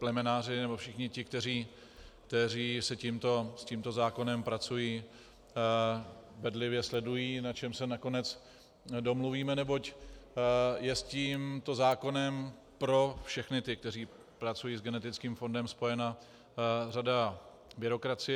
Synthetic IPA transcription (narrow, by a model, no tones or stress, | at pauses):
plɛmɛnaːrɪnɛbofʃɪxɲɪcɪkt̪ɛɾ̝iː | kt̪ɛɾiːsɛciːmt̪o̞sciːmt̪o̞zaːko̞nɛmpɾat͡sujiː | vɛdlɪvjɛslɛdujiːnat͡ʃɛmsɛnako̞nɛt͡s | do̞mluviːmɛnɛbo̞c | jɛsciːmt̪o̞zaːko̞nɛm | pɾo̞fʃɛxnɪt̪ɪk̚t̪ɛɾiː | pɾat͡sujiːzɡɛnɛt̪ɪt͡skiːmfo̞ndɛmspo̞jɛna | rada | bɪɾo̞kɾat͡sɪjɛ